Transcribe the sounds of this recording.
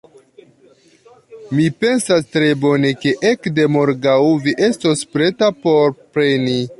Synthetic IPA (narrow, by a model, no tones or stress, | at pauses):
mipe̞nsastɾe̞bo̞ne̞ke̞ʔekde̞moɾɡawviʔe̞stospɾe̞tapo̞ɾpɾe̞ni